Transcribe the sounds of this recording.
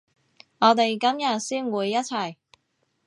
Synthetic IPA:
ŋɔː˨˧t̪e˨jkɐ˥mjɐ˨t̚siː˥nwuː˨˧jːɐ˥t̚t͡sʰɐ˨˩j

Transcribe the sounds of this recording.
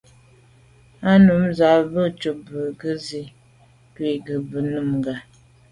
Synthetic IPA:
a˦nu˨˦mza˨˦bə˦t͡ʃo˨bə˨ɡə˦zi˦ | kwi˦˨ɡə˨bə˨nə˦˨mŋ˨ɡa˨

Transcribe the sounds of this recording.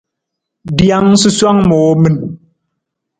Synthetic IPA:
dja˨˦ŋ˦sɨ˦swa˦ŋmɔ˨˦mɨ˦˨n

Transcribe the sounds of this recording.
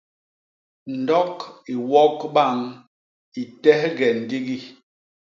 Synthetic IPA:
n̩˨dɔ˦ki˨wɔ˦kɓa˦˨ŋ | i˨tɛ˦hɡɛ˨n̩˨di˦ɡi˦

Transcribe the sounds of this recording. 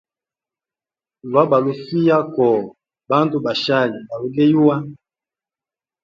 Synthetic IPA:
lwa˦ba˨lu˨fi˦ja˦kɔ˨ | ba˦ntu˦ba˨ʃa˦˨li˨ba˨lo˨˦ɡɛ˦ju˦wa˦

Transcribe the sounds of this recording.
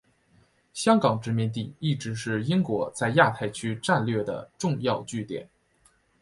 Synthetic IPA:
ɕjɑ˥ŋkɑ˨˩ŋʈ͡ʂɻ̩˧˥mi˧nt̪̬i˥˩i˥˩ʈ͡ʂɻ̩˧˥ʂɻ̩˥˩i˥ŋkwɔ˧˥t͡sa˥˧ɪja˥˧t̪ʰa˥˩ɪt͡ɕʰy˥ʈ͡ʂa˥˧nlɥɛ˥˩d̪ə̰˩ʈ͡ʂʊ˥˧ŋjɑ˥˧ʊt͡ɕy˥˩t̪jɛ̰˨˩˦n

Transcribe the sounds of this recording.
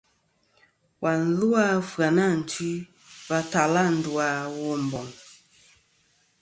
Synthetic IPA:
wa˨n̩˨lu˦a˦fa˨na˦˨n̩˨ti˦ | va˦ta˨la˦˨n̩˨du˨a˨˦wɔ˦m˨bɔ˨ŋ

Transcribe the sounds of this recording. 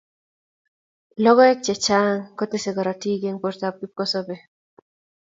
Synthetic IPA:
lɔ˦ɡɔ˦ɛ˦k̚t͡ʃɛ˨t͡ʃa˦ŋko˦te˦se˨ɡɔ˨ɾɔ˨ti˦ɡe˦ŋpoɾta˨p̚ki˦p̚ko˦sɔbe˦

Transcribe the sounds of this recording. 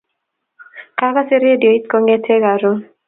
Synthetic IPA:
ka˦ka˦se˦ɾe˦di˨o˨i˦t̪ko˦ŋe˦tʰe˦ɡa˨ɾo˦

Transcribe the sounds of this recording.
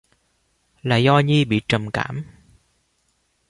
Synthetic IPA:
la̰ː˨zɔ˧ɲi˧ɓḭ˧˨t͡ɕə˨˩mkaː˧˩m

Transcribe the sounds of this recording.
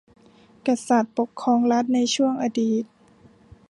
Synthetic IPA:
ka˧sa˨˩t̪̚po˨˩kʰːɔː˧˨ŋla˦˥t̪̚na˧˥jt͡ɕʰu˥˩əŋʔa˧diː˨˩t̪̚

